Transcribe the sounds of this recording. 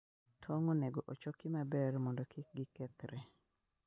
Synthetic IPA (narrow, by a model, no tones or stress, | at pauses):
tʰɔŋoneɡoʔot͡ʃɔkɪmabɛrmɔndɔkɪk̚ɡɪkɛt̪ɾɛ